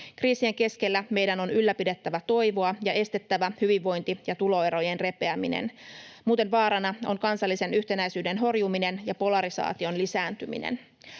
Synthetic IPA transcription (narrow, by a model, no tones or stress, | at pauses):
kriːsie̞ŋke̞ske̞lːæme̞jdæno̞nylːæpide̞t̪ːæʋæt̪o̞jʋo̞ɑjɑʔe̞st̪e̞t̪ːæʋæhyʋiʋːo̞jnt̪ijɑt̪ulo̞e̞ɾo̞je̞nre̞pe̞æminḛnmuːt̪e̞nʋɑːɾɑnɑo̞̰ŋkɑnsɑlːise̞nyht̪e̞næjsyːde̞nɦo̞rjumine̞njɑpo̞lɑɾisɑ̰ːt̪io̞nlisæːnt̪ymḭnḛn